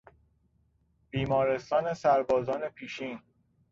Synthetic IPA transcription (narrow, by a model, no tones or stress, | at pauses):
b̥iːmɒːɾe̞st̪ɒːnesæɾbɒːzɒːne̞pʰiːʃiːn